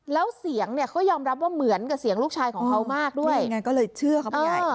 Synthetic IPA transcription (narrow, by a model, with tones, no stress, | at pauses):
lɛː˦˥wsi˩˦əŋni˥˩ɐkʰɔː˥˩jɔː˧mɾa˦˥p̚waː˥˩mɯ˩˦ənka˨˩p̚si˨˩˦əŋluː˥˩k̚t͡ɕʰaː˧jkʰɔː˩ŋkʰa˧wmaː˥˩k̚du˥˩əjŋaː˧jkɔː˥˩lɤː˧jt͡ɕʰɯ˥˩ɐkʰa˦˥ʔɔː˧˩˧